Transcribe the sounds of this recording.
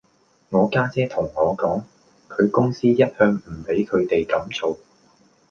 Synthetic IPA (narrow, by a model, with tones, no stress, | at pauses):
ŋɔː˨˧kaː˥t͡sɛː˥t̪ʰʊ˨˩ŋːɔː˨˧kɔː˨˥ŋ | kʰɵ˨˧ɥkʊ˥ŋsiː˥jɐ˥t̚hœː˧ŋm̩˨˩pe˨˥jkʰɵ˨˧ɥt̪e˨jkɐ˨˥mt͡so˨w